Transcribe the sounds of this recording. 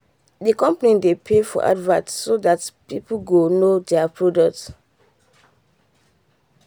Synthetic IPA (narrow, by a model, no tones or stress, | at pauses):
dikɔ̃mpanĩdepʰefɔ̰ʔa̰dvãtsodatpipuɡonodɛapɹodɔk̚t